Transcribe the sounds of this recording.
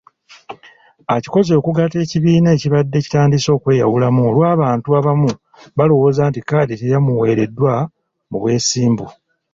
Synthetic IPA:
aci̥ko̞zo̞ːkuɡate̞ːciβiːnaːciβadːe̞ːci̥taːndiso̞ːkwe̞ːja̰wulamuo̞lwaːβaːntuaβamu | βalo̞wo̞ːzaːntikaːditejamuwe̞ːɾe̞dːwa | mṵβwe̞ːsiːmbu

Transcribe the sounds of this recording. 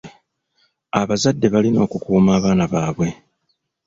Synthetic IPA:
a̰βazadːe̞βalino̞ːkukuːmaːβaːnaβaːβwe̞

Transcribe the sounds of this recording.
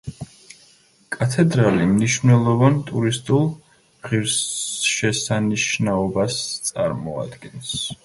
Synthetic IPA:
kʼat̪ʰɛd̪ɾalimniʃvnɛlˠɔvant̪ʼuɾist̪ʼulˠ | ʁiɾsʃɛsaniʃnaɔbast̪sʼa̰ɾmɔa̰d̪ɡɛns

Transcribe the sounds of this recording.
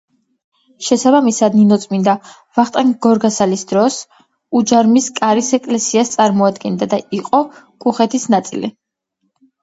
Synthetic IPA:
ʃɛsabamisad̪ninɔt̪sʼmind̪a | vaχt̪ʼɛŋɡɔɾɡasalisd̪ɾɔs | ud͡ʒaɾmiskʼaɾisɛkʼlɛsiast̪sʼaɾmɔad̪ɡɛnd̪ad̪aiqʼɔ | kʼuχɛt̪ʰisnat̪sʼḭli

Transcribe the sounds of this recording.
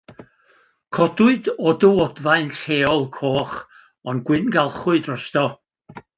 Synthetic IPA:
kʰɔdʊɨdɔdəwɔdvaɨnɬeːɔlˠkʰoːχ | ɔnɡwɪnɡalˠχʊɨdrɔstɔ

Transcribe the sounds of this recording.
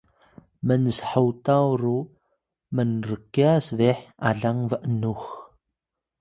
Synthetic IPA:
mənsħəwt̪awɾu | mənrəkːiasðeħa̰ɮaŋvəʔnux

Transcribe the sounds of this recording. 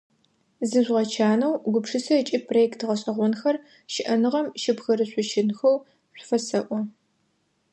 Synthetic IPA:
zɨʑʷʁɐt͡ʃʰaːnɐwɡʷʊpʂɨsɐɛt͡ʃʼiːprojɛktʁɐɕʼɐʁʷɔnxɐr | ʃɪʔɐnɨʁɐmʃɪbxɐɾɨɕʷʼʊʃɪnxɐw | ɕʷfɐsɐʔʷɔ

